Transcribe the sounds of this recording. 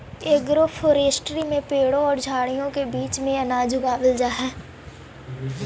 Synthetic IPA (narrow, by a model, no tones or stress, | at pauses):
eːɡɾofʰoːɾeːsʈɾimẽpeːɽõɔːɾd͡ʒʱaːɽijõkebiːt͡ʃmẽɐnaːd͡ʒʱʊɡaːʋəld͡ʒaːɦɛː